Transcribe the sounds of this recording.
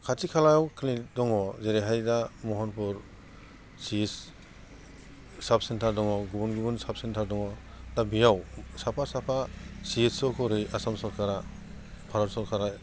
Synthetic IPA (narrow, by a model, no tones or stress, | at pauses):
kʰatikʰalajawkʰɯlidɔŋɔzeɾeɦajdamɔɦɔnpʰuɾ | sis | sap̚sentʰaɾdɔŋɔɡubunɡubunsap̚sentʰaɾdɔŋɔ | dabijawsapʰasapʰasiessɔkʰɔɾɯjʔasamsɔlkʰaɾa | pʰaɾɔɾsɔlkʰaɾa